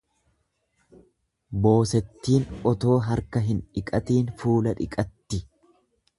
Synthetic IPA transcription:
bo̞ːsɛt̪ːiːnɔt̪o̞ːɦɐɾkɐɦɪnᶑɪkʼɐt̪iːnfuːlɐᶑɪkʼɐt̪ːɪ

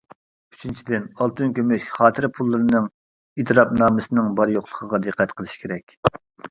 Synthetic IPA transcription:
y̥t͡ʃʰint͡ʃʰid̪ɪnɑlˠt̪ʰynkʲømyʃχɑːt̪ʰɨɾpʰulˠːɨɾɨnɨŋ | it̪ʰɨɾɑpnɑːmɨsɨnɨŋbɑɾjoχlˠəqʰəʁɑd̪ɨqʰːɛt̪qʰəlˠɨʃi̥kʲʰeɾɛkʲ

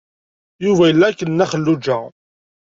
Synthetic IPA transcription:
juvæjəlːækːənːæχəlːud͡ʒæ

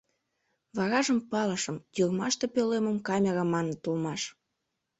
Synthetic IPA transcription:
βɑɾɑʒəmpɑləʃəmjurmɑʃt̪epøleməmkɑmʲeɾɑmɑnət̪ulmɑʃ

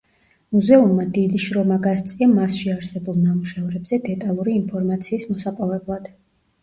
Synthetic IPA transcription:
muzɛumːad̪id̪iʃɾɔmaɡast̪sʼiamasʃiaɾsɛbulˠnamuʃavɾɛbzɛd̪ɛt̪ʼalˠuɾiːnpʰɔɾmat̪sʰiːsmɔsapʼɔvɛblˠad̪̥

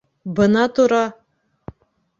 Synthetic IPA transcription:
bɤ̆nɑt̪uɾɑ

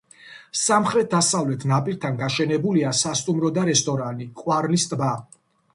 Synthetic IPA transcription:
samχɾɛt̪̚d̪asavlɛt̪ʰnapʼiɾt̪ʰanɡaʃɛnɛbuliasast̪ʼumɾɔd̪aɾɛst̪ʼɔɾanikʼwaɾnist̪ʼba

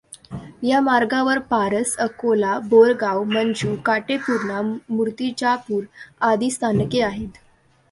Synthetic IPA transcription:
jamaɾɡãʋəɾpaɾəsəkolaboɾɡawmənd͡ʑukaʈepuɾɳamuɾt̪it͡ɕapuːɾad̪iːst̪ʰankeaɦet̪

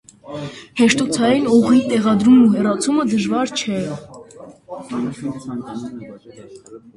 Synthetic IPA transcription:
hɛʃt̪ut͡sʰɑjinɔʁit̪ɛʁɑd̪ɾumnuɦɛrɑt͡sʰuməd̪əʒvɑɾt͡ʃʰɛ

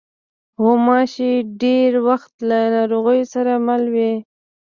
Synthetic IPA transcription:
homɑʃiɖeɾwaxt̪lanɑɾoɣəjsaɾamalwe

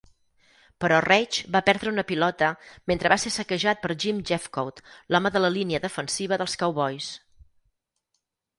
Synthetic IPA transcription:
pəɾɔrɛt͡ʃbapɛɾðɾəunəpilɔt̪əment̪ɾəβasesəkəʒat̪̚pəɾʒimd͡ʒɛfkowt̪lɔməðələliniəðəfənsiβ̞əðəlˠskawβɔjs

